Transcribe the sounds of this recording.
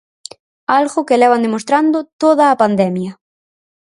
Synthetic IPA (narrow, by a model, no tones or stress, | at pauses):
alɣʊkelɛβ̞and̪emost̪ɾand̪ʊt̪oðɐːpand̪ɛmjɐ